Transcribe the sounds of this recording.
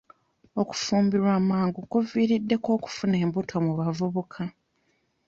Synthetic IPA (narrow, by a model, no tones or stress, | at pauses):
o̞ku̥fuːmbiɾwaːmaːŋɡukuviːɾidːe̞ko̞ːku̥fune̞ːmbutʰo̞muβavuβukʰa